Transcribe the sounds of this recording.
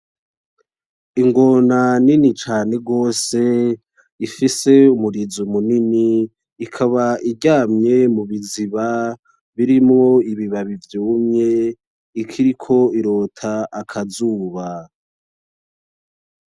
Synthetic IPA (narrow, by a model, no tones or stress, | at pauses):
iŋɡo̞naninit͡ʃaːne̞ɡo̞ːse̞ | ifise̞umuɾizumuniniː | kʰaβaʔiɟaːmɲe̞muβiziβa | βiɾimŋo̞iβiβaβivjuːmɲe̞ | ikʰiɾikʰo̞iɾo̞ːtʰaʔakʰazuːβa